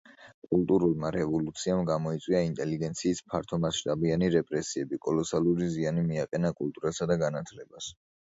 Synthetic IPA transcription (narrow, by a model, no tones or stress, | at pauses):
kʼulˠt̪ʼuɾulˠmaɾɛvɔlut̪sʰiamɡamɔit̪sʼwiaint̪ʼɛliɡɛnt̪sʰiːspʰaɾt̪ʰɔmasʃt̪ʼabianiɾɛpʼɾɛsiɛbikʼɔlɔsalˠuɾizianimiaqʼɛnakʼulˠt̪ʼuɾasad̪aɡanat̪ʰlɛbas